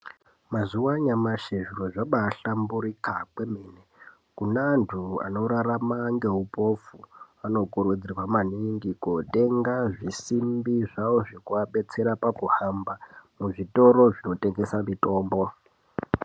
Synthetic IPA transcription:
mazuwaɲamaʃeʐiroʐaɓaːɬambuɾikakwemene | kunaːntʰua̰no̞ɾaramaŋɡe̞ɦupo̞fu | ano̞ɡuɾud͡zirwamaniŋɡikote̞ŋɡaʐisimbiʐawoʐekuaɓe̞t͡se̞ɾapakuhambamuʐito̞ɾo̞ʐino̞teŋɡe̞samito̞ːmbo̞

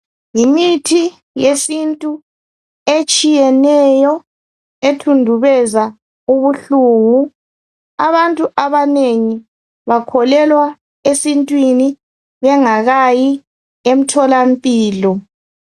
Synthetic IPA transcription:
jimitʰi | jesintʼu | et͡ʃʼijɛnɛjɔ | etʰundʱuβɛza | uβuɬuːŋu | a̰βantʼuʔaβaneŋi | βakʰɔlɛlwa | esintʼwini | βɛŋaɣaji | em̩tʰɔlampʼiːlɔ

